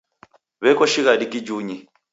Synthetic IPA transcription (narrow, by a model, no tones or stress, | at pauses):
βɛkɔʃiɣadikid͡ʒuɲi